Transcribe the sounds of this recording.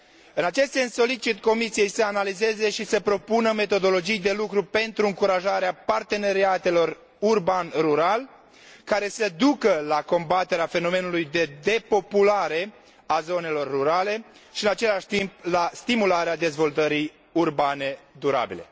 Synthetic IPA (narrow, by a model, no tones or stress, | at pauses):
ɨnat͡ʃe̞st̪se̞nsːo̞lit͡ʃit̪ko̞misije̞jsəanalize̞ze̞ʃisəpɾo̞punəme̞t̪o̞d̪o̞lo̞d͡ʒijd̪e̞lukɾupe̞nt̪ɾuɨŋkuɾaʒaɾeapart̪e̞ne̞ɾiat̪e̞lo̞r | urbanruɾal | kaɾe̞səd̪ukəlako̞mbat̪eɾeafe̞no̞me̞nulujd̪e̞d̪e̞po̞pulaɾe̞ | azo̞ne̞lo̞rːuɾale̞ʃiɨnat͡ʃe̞laʃt̪imp̚last̪imulaɾead̪e̞zvo̞lt̪əɾij | urbane̞d̪uɾa̰bḭle̞